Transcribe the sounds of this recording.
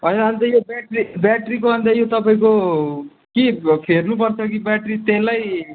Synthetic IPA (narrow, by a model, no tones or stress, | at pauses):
ʌjɾʌɦʌnt̪ʌjobaʈribaʈrik̬obʱʌnd̪ajot̪ʌpaĩko | kipʰernup̬ʌrt͡sʰʌkibaʈrit̪elaj